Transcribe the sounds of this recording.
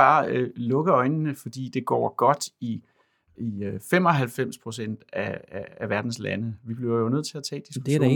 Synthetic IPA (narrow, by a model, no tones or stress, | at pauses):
ɑ̈ːlɔ̽ɡ̥ɐɒ̽ɪnnəfɒ̽d̥ḭːd̥e̝ɡ̥ɒ̰ːɡ̥ɒ̽d̥i | ifem̰ɒ̽ɦælfem̰spʰʁo̝sen̰d̥ææʋæɐd̥n̩slænəʋib̥liʊɐjonøð̰ˠt͡sʰe̝æt͡sʰɛ̰ːd̥isɡ̥ud̥eɾ